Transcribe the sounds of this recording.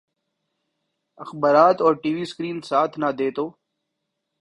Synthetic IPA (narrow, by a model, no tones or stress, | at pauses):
əxbaːɾaːt̪ɔːɾʈiːʋiːskɾiːnsaːt̪ʰnad̪eːt̪oː